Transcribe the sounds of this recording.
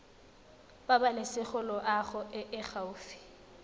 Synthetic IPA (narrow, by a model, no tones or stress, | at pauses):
babalɪsɪχʊlɔʔaχʊʔɪʔɪχaʊːfɪ̥